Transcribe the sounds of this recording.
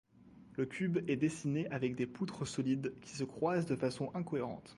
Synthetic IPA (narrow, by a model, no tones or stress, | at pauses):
ləkʲybɛd̪esineʔavɛk̚d̪eput̪χəsɔlid̪kʲi̥səkχwazd̪əfasɔ̃ʔɛ̃kɔeʁɑ̰̃t̪